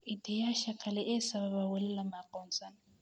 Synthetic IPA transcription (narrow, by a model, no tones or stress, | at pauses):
itʰɛjaʃakʰalɛʔɛsaβaβawɛlɛlamakʼɔnsana